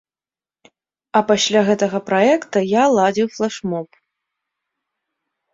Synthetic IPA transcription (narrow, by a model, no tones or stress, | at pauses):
ɐpasʲlʲaɣɛt̪ɐɣɐpɾaɛkt̪ɐjalˠad͡zʲiwflˠaʂmɔp̚